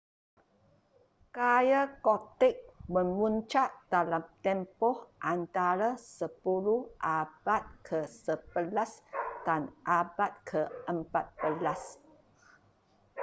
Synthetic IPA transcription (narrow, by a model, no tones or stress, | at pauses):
kajakot̪ɛk̚məmunt͡ʃat̪̚dalamt̪ɛmpɔhʔant̪aɾasəpuluhʔabat̪̚kʰəsəbəlasdanʔabat̪̚kʰəʔəmpat̪̚b̥əlas